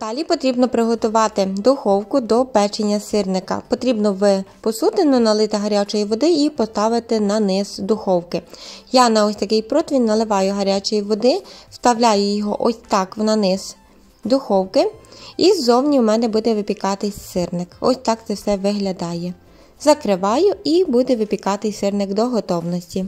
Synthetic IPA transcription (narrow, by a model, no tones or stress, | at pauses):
d̪̥ɑlʲipɔt̪ɾʲibnɔpɾɪɦɔt̪ʊʋɑt̪ɪd̪ʊxɔwkʊd̪ɔpɛt͡ʃenʲːɐsɪrnɪkɐ̰pɔt̪ɾʲibnɔʋɪpɔsut̪ɪnɔnɐlˠɪt̪ɪɦɐɾʲat͡ʃɔjiʋɔd̪ɪipɔst̪ɑʋɪt̪ɪnɐnɪz̥d̪ʊxɔwkɪjɑnɐɔsʲt̪ɐkɪjpɾɔt̪ʋʲinːɐlˠɪʋɑjʊɦɐɾʲat͡ʃɔjiʋɔd̪ɪst̪ɐwlʲajʊjɔɦɔʔɔsʲt̪ɑknɐnɪz̥ | d̪ʊxɔwkɪizɔwnʲiwmɛnɛbud̪ɛʋɪpʲikɑt̪ɪsɪrnɪkɔ̰sʲt̪ɑkt̪ɪwsɛʋɪɦlʲɐd̪ɑjɛ | zɐkɾɪʋɑjʊibud̪ɛʋɪpʲikɑt̪ɪjsɪrnɪkd̪ɔɦɔt̪ɔwnɔsʲtʲi